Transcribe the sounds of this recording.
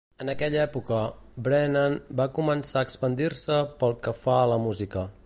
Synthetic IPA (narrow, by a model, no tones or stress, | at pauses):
ənəkɛʎɛpukəbɾɛnənbakumənsaəkspənd̪irsəpəlˠkəfaləmuzikə